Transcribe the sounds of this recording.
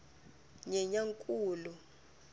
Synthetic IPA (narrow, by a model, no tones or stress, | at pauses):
ɲɛɲaŋkʼuːlu